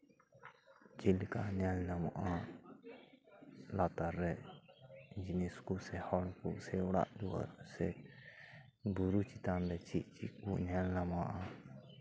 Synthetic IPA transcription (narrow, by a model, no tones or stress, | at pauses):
t͡ʃilka̰nalnama̰ʔa | lat̪aɾːɛ | d͡ʒiniskusɛhɔɽkusɛwɽa̰ʔd̪ua̰ɾsɛ | buɾut͡ʃit̪and̪ɛt͡ʃiʔt͡ʃiʔkunalnamaʔa